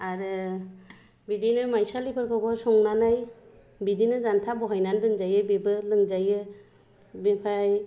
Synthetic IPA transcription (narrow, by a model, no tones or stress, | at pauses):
aɾɯ | bidinɯmajsalipʰɯɾkʰawbɔsɔŋnanaj | bidinɯzantʰabɔɦajnandɯŋzajɯbebɯlɯŋzajɯ | bipʰaj